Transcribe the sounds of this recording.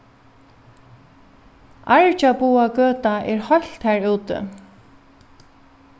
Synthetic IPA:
ʔaɹt͡ʃapuːakøːt̪aʔɛɹhɔl̥t̪hɛːɹuːt̪ɪ̰

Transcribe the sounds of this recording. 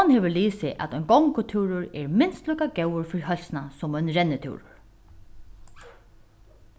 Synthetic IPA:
anheːʋɪɹliːsɪʔæ̰t̪ɔjnɡɔŋkʊt̪ʰuːɾʊɹɛɹmɪnst̪lujkaɡɛwʊɹfɪɾiɦœlsnasʊmœɥnɾɛnːɪt̪ʰṵːɾʊ̰ɹ

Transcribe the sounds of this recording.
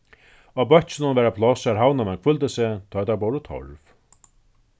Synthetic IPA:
abœht̪t͡ʃɪnʊnvɛːɾapʰlɔsaɾɦawnamɛnkʰfʏlt̪ɪsɪt̪ʰɔːjt̪ʰabɔwɾʊt̪ʰɔ̰ɹv

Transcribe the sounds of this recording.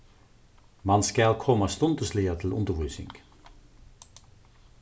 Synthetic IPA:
mɑnskɑlkʰɔməst̪ɔnt̪əsliːət̪ʰɪl̩ʊ̰nd̪əbʁʉːsɪ̰ŋɡ̥

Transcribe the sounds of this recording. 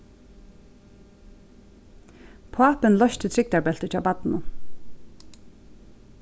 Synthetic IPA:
pʰaːpɪnlɔʃt̪ət̪ʰɾɪk̚t̪aɹbɛl̥t̪ɪt͡ʃʰaːwpat̪nʊ

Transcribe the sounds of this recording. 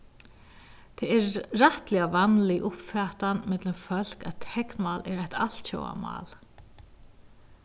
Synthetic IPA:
t̪ʰɛːɛɾraht̪lɪavanlɪʔʊpfɛːht̪anmɪt̪lɪmfœl̥kat̪ʰɛknmaːlɛɾajht̪al̥t̪t͡ɕo̰wa̰ma̰ːl

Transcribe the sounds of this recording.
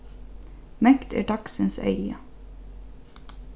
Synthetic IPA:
mœkt̪ʰæ̰ːʈʰɑksənsœ̰ʏə

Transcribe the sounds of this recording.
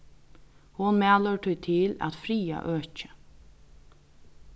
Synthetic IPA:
hʊnmæːlœʈʰɔjt̪ʰɪlæ̰t̪fɾiːa̰ʔøːt͡ʃə̥

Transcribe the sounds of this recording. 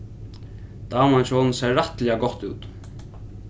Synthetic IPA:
d̪̥aːmanʃɔlnsɛːat̪lɛaɡɔht̪uːt̪

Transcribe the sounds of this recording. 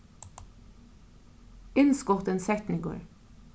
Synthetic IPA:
ɪnskɔʁt̪ənsɛt̪n̩iːɡo̰ːɹ

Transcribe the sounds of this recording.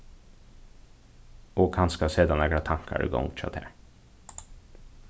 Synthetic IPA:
ɔkhanskasɛd̪anɛːɡɾat̪ʰaŋkʰa̰ɾɪ̰ɡɔ̰ŋt̪ʰa̰t̪ʰhɛ̰ːɾ

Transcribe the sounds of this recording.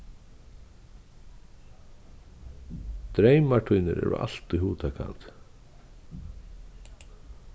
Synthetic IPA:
t̪ɾejmaʈʰujnɪɾɛ̰ːɹʊ̰ʔa̰l̥t̪iɦuːt̪ʰakʰa̰nt̪

